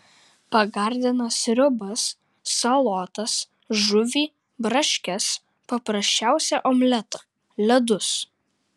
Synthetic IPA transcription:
pɐɡɐɾʲd̪ʲɪnɐsɾʲʊbɐsː | ɐlˠɔːt̪ɐs | ʒʊʋʲiː | bɾɐʃʲkʲɛs | pɐpɾɐsʲt͡ʃʲæˑʊsʲɛʔɔmʲlʲɛt̪ɐ | lʲɛd̪ʊs

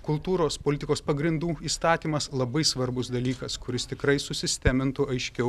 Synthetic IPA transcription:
kʊlˠt̪uːɾoːspoːlʲɪt̪ʲɪkoːspɐɡɾʲɪnd̪uːiːst̪ɑːt̪ʲiːmɐslˠɐbɐɪsʋɐɾbʊsd̪ɐlʲiːkɐskʊɾʲɪst̪ʲɪkɾɐɪsʊsʲɪsʲt̪ʲæːmʲɪnt̪ʊɐɪʃʲkʲɛʊ

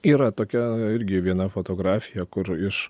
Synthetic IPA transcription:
iːɾɐt̪oːkʲɛɪɾʲɡʲɪʋʲiɛnɐfoːt̪oːɡɾɑːfʲɪjɛkʊɾɪʃ

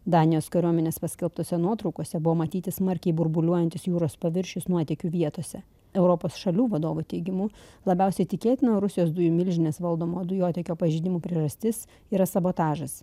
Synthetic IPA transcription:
d̪ɑːnʲɪjoːskɐɾʲuɔmʲɛnʲeːspɐsʲkʲɛlˠp̚t̪oːsʲɛnuɔt̪ɾɔʊkoːsʲɛbʊʋoːmɐt̪ʲiːt̪ʲɪsmɐɾʲkʲɛɪbʊɾbʊlʲuɔjɛnʲt̪ʲɪsjuːɾoːspɐʋʲɪɾʲʃʲʊsnuɔt̪ʲɛkʲuːʋʲiɛt̪oːsʲɛ | ɛʊɾɔpoːsʃɐlʲuːʋɐd̪oːʋʊt̪ʲɛɪɡʲɪmuːlˠɐbʲæˑʊsʲɛɪt̪ʲɪkʲeːt̪ʲɪnɐɾʊsʲɪjoːsd̪ʊjuːmʲɪlʲʒʲɪnʲeːsʋɐlˠd̪oːmoːd̪ʊjoːt̪ʲɛkʲoːpɐʒʲiːd̪ʲɪmuːpʲɾʲiɛʒɐsʲt̪ʲɪs | iɾɐsɐboːt̪ɑːʒɐs

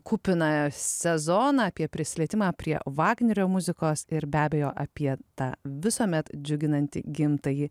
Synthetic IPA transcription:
kuːpʲɪnɐsʲɛzoːnɐɐːpʲiɛpʲɾʲɪsʲlʲiɛt̪ʲɪmɑːpʲɾʲiɛ̰ʋɑːɡnʲɛɾʲoːmʊzʲɪkoːsɪɾbʲæːbʲɛjoːʔɐpʲiɛt̪ɑːʋʲɪsoːmʲɛt̪d͡ʒʲʊɡʲɪnɐnʲt̪ʲɪ̰ɡʲɪmt̪ɐji

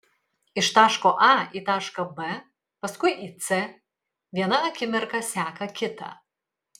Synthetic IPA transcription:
ɪʃt̪ɑːʃkoːʔɑiːt̪ɑːʃkɐbɛ | pɐskʊɪʔiːt̪sɛ | ʋʲiɛnɐɐkʲɪmʲɛɾkɐsʲæːkɐkʲɪt̪ɐ̰

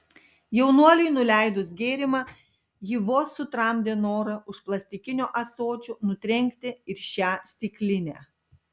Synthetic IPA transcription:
jɛʊnuɔlʲɪɪnʊlʲæˑɪd̪ʊsɡʲeːɾʲɪmɑ | jɪʋoːsʊt̪ɾɑˑmʲd̪ʲeːnoːɾɐʊʃplˠɐsʲt̪ʲɪkʲɪnʲoːʔɐsoːt͡ʃʲunʊt̪ʲɾʲɛŋʲkʲt̪ʲɪɪɾʃʲæːsʲt̪ʲɪkʲlʲɪnʲæ̰ː

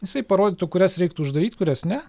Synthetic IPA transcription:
jɪsɐɪpɐɾoːdʲiːt̪ʊkʊɾʲɛsɾʲɛɪkt̪ʊːʒd̪ɐɾʲiːt̪ʲkʊɾʲɛsnʲɛ

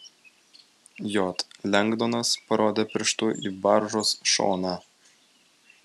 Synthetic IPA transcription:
jot̪lʲæŋɡd̪onɑspɐɾod̪ʲepʲɪɾʲʃt̪uʔibɑrʒosʃo̰nɑ

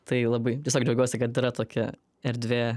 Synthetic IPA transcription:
t̪ɐɪlˠɐbɐɪt̪ʲiɛsʲoːkd͡ʒʲɛʊɡʲoːsʲɪkɐt̪iːɾɐt̪oːkʲɛ̰ | ɛɾʲd̪ʲʋʲeː

